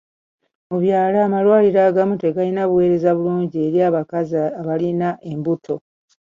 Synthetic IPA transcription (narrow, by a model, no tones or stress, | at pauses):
muβjaːlaːmalwaːliɾaːɡamute̞ɡalinaβuwe̞ːɾe̞zaβuluːɲɟie̞ɾjaβakazaːβalinaʔembutʰo̞